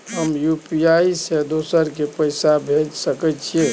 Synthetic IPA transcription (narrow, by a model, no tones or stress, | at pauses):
ɦəmjupiaiised̪osəɾkepəjsabʱed͡ʒsəkɛt͡ʃʰie